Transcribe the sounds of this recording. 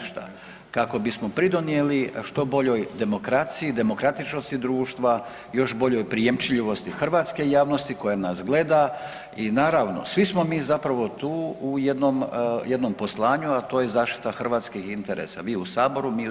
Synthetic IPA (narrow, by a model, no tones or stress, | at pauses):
ʃt̪a̰ | kako̞bismopɾid̪onije̞liʃt̪o̞bo̞ʎo̞jd̪e̞mo̞kɾat̪sijid̪e̞mo̞kɾat̪it͡ʃnost̪id̪ɾuːʃt̪ʋa | jo̞ʃbo̞ʎo̞jpɾijemt͡ʃiʎiʋo̞st̪ixr̩ʋaːt̪ske̞jaːʋno̞st̪iko̞janasɡle̞d̪a | inaːɾaʋno̞̰sʋismo̞miːzapɾaʋo̞t̪uːujed̪nomje̞d̪no̞mpo̞slˠaːɲuat̪o̞ːjezaːʃt̪i̥t̪axr̩ʋaːt̪skixint̪eɾḛsa̰ʋiːusaːbo̞ɾumiː